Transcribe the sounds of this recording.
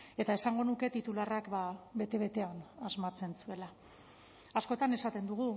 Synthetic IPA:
e̞t̪ae̞saŋɡo̞nuke̞t̪it̪ularakbabe̞t̪e̞βe̞t̪e̞anazmat͡se̞nsue̞laː | sko̞t̪ane̞sat̪e̞nd̪uɣ̞u

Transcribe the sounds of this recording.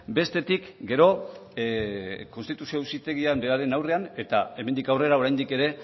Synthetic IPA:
be̞st̪e̞t̪ikɡe̞ɾo̞ | ko̞nst̪it̪usiousit̪e̞ɣiambe̞aɾe̞nawre̞ane̞t̪a̰e̞me̞nd̪ikawre̞ɾao̞ɾajnd̪ike̞ɾe̞

